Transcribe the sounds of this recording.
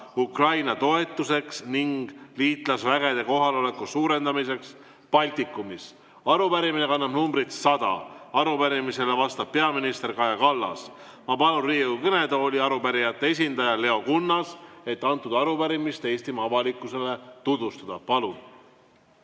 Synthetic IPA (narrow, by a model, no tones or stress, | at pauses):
ukrɑjnɑt̪o̞e̞t̪ːˑuse̞ksniŋɡ̥liːt̪ˑlɑsvæɡe̞d̪e̞ko̞ɦɑleo̞le̞kːusuːɾe̞nd̪ɑmise̞ks | pɑlʲt̪ikːˑumis | ɑɾupæɾimine̞kɑnːɑb̥numbɾit̪sɑd̪̥ɑ̰ɑɾupæɾimise̞le̞vɑst̪ɑb̥̚pe̞ɑminist̪e̞rkɑjɑkɑlːɑ̰s | mɑpɑlunriːukɤne̞d̪o̞ːlʲiɑɾupæɾijɑt̪ːe̞e̞sʲind̪ɑjɑle̞o̞kunːɑse̞t̪ːɑnt̪ːˑud̪ɑɑɾupæɾimist̪e̞ːst̪imɑɑvɑlikːˑuse̞le̞t̪ud̪̥vust̪ɑd̪̥ɑpɑlun